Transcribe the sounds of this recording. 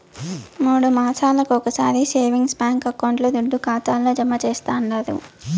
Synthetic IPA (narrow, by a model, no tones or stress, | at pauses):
muːɽumaːt͡ʃʰaːlɐkuɔkɐsaːɾise̞ːʋiŋɡspaːŋkɐkːɐʋɐɳʈloːd̪uɖːukaːt̪aːlːoːd͡ʒɐmːɐt͡ʃeːst̪aːnlaːd̪ṵ